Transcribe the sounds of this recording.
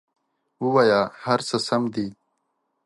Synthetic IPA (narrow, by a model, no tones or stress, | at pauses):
uwajaːhɐɾsəsɐmd̪i